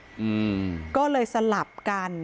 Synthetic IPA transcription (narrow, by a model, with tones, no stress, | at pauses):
ʔɯː˧kɔː˥˩lɤː˧jsa˧la˨˩p̚ka˧n